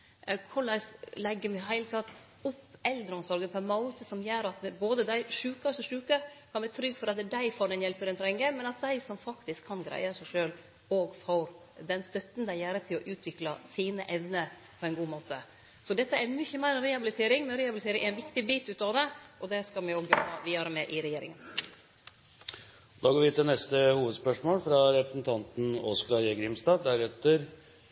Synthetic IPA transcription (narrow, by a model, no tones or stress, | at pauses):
kʰʊɭæslɛɡːəmɪɦæɪlət̪ʰɑt̪ | ʊpːɛld̪ɾəɔmsɔɾɡəpʰɔnmɑʊt̪əsɔmjøːɾɑt̪boːd̪əd̪æɪʂʉːkɑsɔʂʉːkəkʰɑnbæɾt̪ʰɾʏɡːfɔɾɑt̪d̪æɪfoːɾɛnjɛlpəɾɛnt̪ʰɾɛŋːəmɛnɑt̪̚d̪æɪsɔmfɑkt̪ɪskʰːɑnɡɾæ̰ɪəɾsæɪʂøːl | oːɡfoːɾ | d̪ɛnst̪œt̪ːn̩d̪æɪjæːɾət̪ʰɪlɔʔʉːt̪ʰʋɪklɑsiːnəʔɛʋnə | pʰɔɛnɡuːmoːt̪ʰə | sɔd̪ɛt̪ːəæmʏçːəmæɪɾɛɾɛhɑbɪlɪt̪ʰeːɾɪŋmɛnɾɛhɑbɪlɪt̪ʰeːɾɪŋʔæɾɛnʋɪkt̪ɪbiːt̪ʉːt̪ɑːʋd̪ɛʔɔd̪ɛskɑlmɛoɡjɔbɑʋiːɑɾəmɛʔɪɾɛjeːɾɪ̰ŋən | ɔd̪ɑːɡoːʋɪt̪ɪlnɛst̪əhuːʋəd̪spœʂmoːlfɾɑɾɛpɾəsn̩t̪ʰɑnt̪n̩ɔsɡɑɾjɛɡɾɪmst̪ɑːʋd̪æɾɛt̪ːəɾ